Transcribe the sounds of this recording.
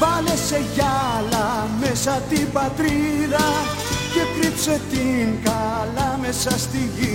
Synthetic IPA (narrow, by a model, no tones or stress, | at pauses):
vɐle̞se̞ʝɐlɐmesɐt̪ibɐt̪ɾiðɐ | ce̞kɾipse̞t̪iŋkɐlɐme̞sɐst̪iʝi